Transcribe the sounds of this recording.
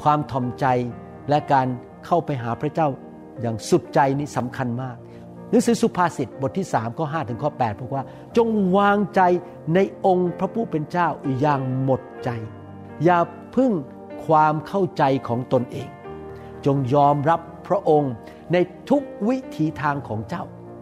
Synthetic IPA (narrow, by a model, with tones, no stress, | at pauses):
kʰwaː˧mt̪ʰɔ˨˩mt͡ɕa˧j | lɛ˦˥kaː˧n | kʰa˥˩wpa˧jɦaː˩˦pʰɾa˦˥t͡ɕaː˥˩w | jaː˨˩ŋsu˨˩t̪̚t͡ɕa˧jniː˦˥˩sa˩˦mkʰa˧nmaː˥˩k̚ | nɯ˨˦˥ŋsɯː˨˩˦su˨˧˩pʰaː˧si˨˩t̪̚bt̪̚ʰːiː˥˩saː˩˦mkɔː˥˩ɦaː˥˩t̪ʰɯ˩˦ŋkʰɔː˥˩pɛː˨˩t̪̚ʰːk̚waː˥˩ | t͡ɕo˧ŋwaː˧ŋt͡ɕa˧j | na˧jʔo˧ŋpʰɾa˦˥pʰuː˥˩pe˧nt͡ɕaː˥˩wjaː˨˩ŋmo˨˩t̪̚t͡ɕa˧j | jaː˨˩ | pʰɯ˥˩ŋ | kʰwaː˧mkʰa˥˩wt͡ɕa˧jkʰɔː˩˦ŋt̪o˧nʔeː˧ŋ | t͡ɕo˧ŋjɔː˧mɾa˦˥pʰːɾa˦˥ʔo˧ŋ | na˧jt̪ʰu˦˥k̚wi˦˥t̪ʰiː˨˦t̪ʰaː˧ŋkʰɔː˩˦ŋt͡ɕa˥˩w